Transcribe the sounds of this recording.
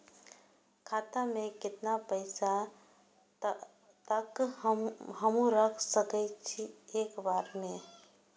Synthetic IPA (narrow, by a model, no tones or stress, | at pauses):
kʰat̪amẽkɪt̪napəɪsa | t̪ək | ɦəmũɾəkʰsəkɛtt͡ʃʰieːkbaːɾmẽ